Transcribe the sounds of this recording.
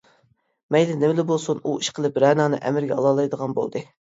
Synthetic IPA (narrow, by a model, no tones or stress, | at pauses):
mɛjd̪ɪnɪmɪlɪbolˠsunuiʃqʰəlˠɨpɾɛːnɑːnɨ̰ʔɛ̰mɪɾɡʲɛɑ̰lˠɑːlˠɑjd̪əʁɑnbo̰lˠd̪ɨ